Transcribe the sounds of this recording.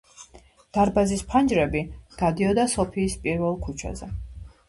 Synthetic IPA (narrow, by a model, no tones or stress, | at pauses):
d̪̥aɾbazispʰand͡ʒɾɛbiɡ̥ad̪iɔd̪asɔpʰiːspʼiɾvɛlˠkʰut͡ʃʰa̰zɛ̰